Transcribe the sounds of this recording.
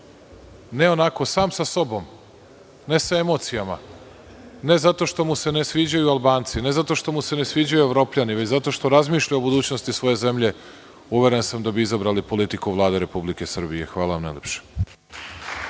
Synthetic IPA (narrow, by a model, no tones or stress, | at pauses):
ne̞o̞nako̞saːmsaso̞bo̞m | ne̞saemo̞t̪sijama | ne̞zat̪o̞ʃt̪o̞muse̞nesʋiːd͡ʑajualˠbaːnt̪sine̞zat̪o̞ʃt̪o̞muse̞nesʋiːd͡ʑajue̞ʋɾo̞ːpʎaniʋet͡ɕzat̪o̞ʃt̪o̞ɾazmiːʃʎaobud̪uːt͡ɕnost̪isʋo̞je̞ze̞mʎe̞ | uʋjeɾe̞nsamd̪abiizabɾalipo̞lit̪ikuʋlˠaːd̪eɾe̞publike̞sr̩bije̞xʋaːlaʋamna̰jlʲepʃe̥